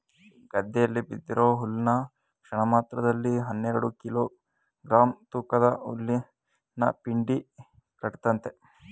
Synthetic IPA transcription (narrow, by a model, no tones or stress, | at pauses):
ɡɐd̪ːɛjɐlːibid̪ːiɾoːɦulːnɐ | kʂɐɳɐmaːt̪ɾɐd̪ɐlːiɦɐnːeɾɐɽukiloː | ɡɾaːmt̪uːkɐd̪ɐṵlːi | nɐ̰piɳɖi | kɐʈt̪ɐnt̪e